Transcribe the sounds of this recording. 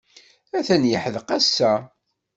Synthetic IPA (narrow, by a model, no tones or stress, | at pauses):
æθænjəħəðqæsːæ